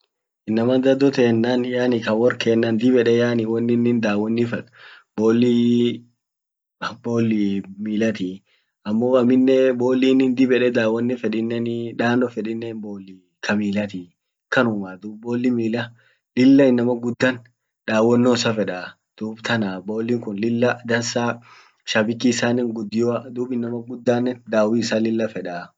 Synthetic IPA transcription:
ɪnːɐmɐd̪ɐd̪ɔt̪eːnːɐnjaːnɪkɐwɔɾkʰeːnːɐnd̪ɪbɛᶑɛjaːnɪwɔnːɪnːɪnd̪aːwɔnːɪfɛᶑ | boːlːi | boːlːimiːlɐt̪i | ɐmːoːɐmɪnːɛbo̞ːlːiːnɪnd̪ɪbɛᶑɛd̪aːwɔnːɪfɛᶑɪnːɛnᶑaːnːɔfɛᶑɪnːɛnboːlːi | kʰɐmiːlɐt̪i | kɐnʊmad̪uːbbo̞ːlːɪmiːlɐ | lɪlːɐɪnːɐmɐɡʊd̪ːɐn | ᶑaːwːɔnːɔsɐfɛᶑa | d̪̥uːbt̪ʰɐnabo̞ːlːiːŋkʊnlɪlːɐd̪ɐnsaː | ʃabɪkːisaːnɪŋɡʊd̪ːɪjɔd̪uːbɪnːɐmɐɡʊd̪ːaːnːɛnd̪aːwiɪsaːlɪlːɐfɛᶑaː

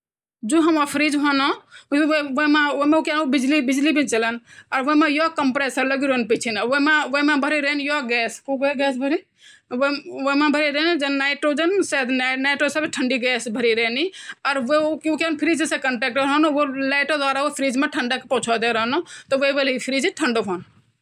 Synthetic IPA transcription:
d͡ʒoɦəmopʰɾid͡ʒɦono | ʋomeomeukjanobid͡ʒlibid͡ʒlibʱint͡ʃələnɔːɾʋomejɔkəmpɾesəɾləɡiɾonpit͡ʃʰinʋomeʋəmebʱəɾiɾenjɔɡɛskoɡeɡɛsbʱəɾi | ʋomẽbʱəɾiɾeːnd͡ʒenːaɪʈɾoːd͡ʒənsed̪naɪʈɾosəbʈʰəɳɖiɡɛːsbʱəɾiɾeːniɔɾʋekukjanpʰɾiːd͡ʒsẽkəɳʈeːk̚ʈəɾɦənoʋolaɪʈod̪waːɾaʋopʰɾiːd͡ʒmeʈʰəɳɖakepɔ̃t͡ʃʰɔd̪eɾəɦnot̪ɔʋeʋelipʰɾid͡ʒʈʰəɳɖoɦoːn

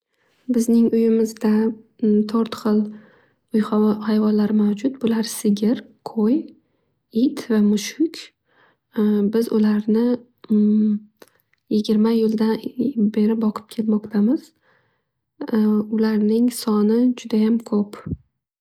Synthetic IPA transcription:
bɪznɪŋʊjɪmɪzd̪a | t̪ʰɒɾt̪χɨlˠ | ʊjχhajvɒnlaɾɪmawd͡ʒʊt̪̚bʊlaɾsɪɡʲɪɾqʰoj | ɪt̪vamʊʃʊkʲ | bɪzʊlaɾnɪ | jɪɡʲɪɾmajɪld̪abe̞ɾɪbɒqʰɨ̥p̚kʲʰe̞lmɒqt̪ʰamɪz̥ | ʊlaɾnɪŋsɒnɪd͡ʒʊd̪ajamkʰɵp

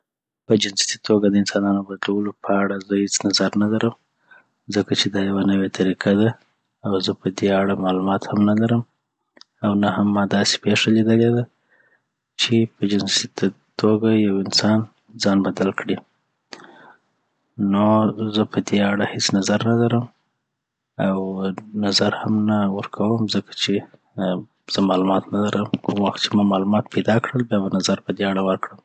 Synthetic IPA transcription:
pəd͡ʒɪnst̪i̥t̪ʰoɡad̪əɪnsɑnɑnobad̪lawəlopʰəaɽazəhet͡snazaɾnalaɾəm | zəkat͡ʃed̪ɑjawanəwet̪ʰaɾikʰad̪a | awzəpəd̪eaɽamɑlumɑt̪hamnalaɾəm | awnahamːɑd̪ɑse̥peʂalid̪əled̪a | t͡ʃepəd͡ʒɪnsit̪ | t̪oɡajawɪnsɑn | d͡zɑnbad̪alkɽi | nozəpəd̪eaɽahet͡snazaɾnalaɾəm | awnazaɾhamnawəɾkʰawəmzəkḁt͡ʃe | z̥əmɑlumɑt̪nalaɾʔəmkʊmwaxt̪̚t͡ʃemɑmɑlumɑt̪pʰajd̪ɑkɽəlbjɑβanazaɾpəd̪eaɽawəɾkɽəm

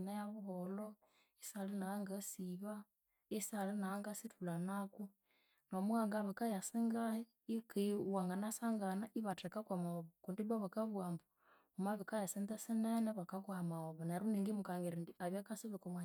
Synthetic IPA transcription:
najaβuɦɔlɔ | isalinaŋɡasiβa | isalinaːŋɡasitʰulanaku | nomwaŋɡaβikajasiŋɡahi | ikiwaŋɡanasaŋɡanaʔiβatɛkakwamaoβɔkundiβaβakaβwambu | umaβikajasindɛsinɛnɛβakakwamaoβɔnaɾuniŋɡimukaŋɡiɾindiaβjakasiβikomwa

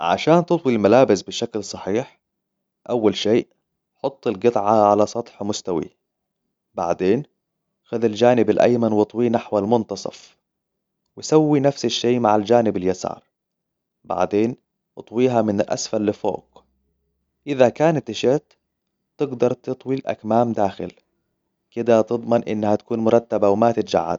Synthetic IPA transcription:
ʕa̰ʃaːnt̪ɨt̪ˤwilmalaːbɪsbɪʃaklsˤɑħiːħ | ʔawːalʃeːʔ | ħʊt̪ˤːɪlɡɨt̪ˤʕaʕalasˤɑt̪ˤħmʊst̪awḭ | ba̰ʕd̪eːn | xaðald͡ʒaːnɪbalʔa̰jmanwɨt̪ˤwiːnaħwalmʊnt̪ɑsˤɑ̰f | wɪsawːinafsaʃːeːmaʕald͡ʒaːnɪbaljasɑ̰ːɾˤ | ba̰ʕd̪eːn | ʔɨt̪ˤwiːɦamɪnalʔa̰sfalːɪfo̰ːɡ | ʔɪðakaːnat̪ːɪʃɪt̪ː | ɪɡd̪ɑɾˤt̪ɨt̪ˤwilʔa̰kmaːmd̪aːxɪ̰l | kɪd̪at̪ɨd̪ˤmɑnʔɪnːhat̪ḁkuːnmʊɾˤɑt̪ːabawmat̪ɪt̪d͡ʒa̰ʕːa̰d̪̚

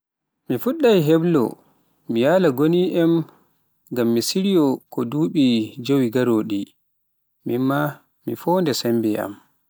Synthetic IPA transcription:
mifuɗːajɦeblɔ̰ | mijaːlaɡoniʔɛm | ɡamːisiɾijɔkɔduːɓid͡ʒowiɡaɾoːɗi | mimːa | mifɔːndɛsɛmbɛa̰m

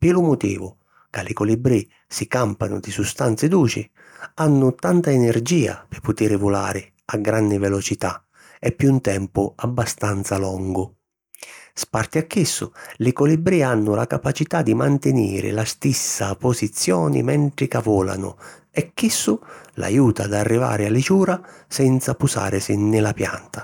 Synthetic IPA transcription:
pɪlʊmʊt̪ḭːvʊ | kalɪkɔlibɾi | sikampanʊ̰d̪isust̪ant̪sɪd̪uːt͡ʃɪ | anːʊt̪ant̪aɛnɛrd͡ʒiːa̰pɪpːʊt̪iːɾɪvʊla̰ːɾɪ | aɡːɾanːɪvɛlɔt͡ʃit̪a̰ | ɛpːunt̪ɛmpʊabːast̪ant̪salɔŋɡʊ | spart̪iakːisːʊlɪkɔlibɾianːʊlakapat͡ʃit̪ad̪ːimant̪ɪnḭːɾɪ̰last̪isːapɔsit̪sːjɔːnɪ̰mɛɳt̪ɾɪkavɔːla̰nʊ̰ | ɛkːisːʊla̰juːt̪ad̪arːiva̰ːɾɪalit͡ʃuːɾasɛnt̪sapusa̰ːɾɪsɪnːɪlapja̰nt̪a

